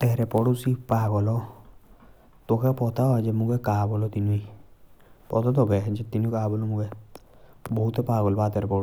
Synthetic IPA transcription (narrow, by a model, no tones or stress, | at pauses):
t̪ɛɾɛpɔɽusipaɡɔlɔ | t̪okʰɛpɔt̪ʰad͡ʒɛmũɡɛkaːbɔlɔt̪inui | pɔt̪ʰɔt̪ɔɡɛd͡ʒɛt̪inukaːbɔlɔmuɡɛ | bɔɦut̪ɛpaːɡɔlɔbat̪ɛɾɛpɔɽu